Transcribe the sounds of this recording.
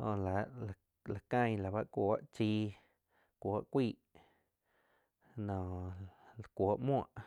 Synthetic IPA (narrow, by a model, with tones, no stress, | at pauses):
hõ̰˧˨la˨ʔla˨ | la˨kã˧jla˨ba˦ʔkʷoː˧˦ʔt͡ʃiː˧ | kʷo˨˦ʔkʷiː˧˨ʔ | nõː˨lkʷo˨˦ʔmw̃ã̰˧˨ʔ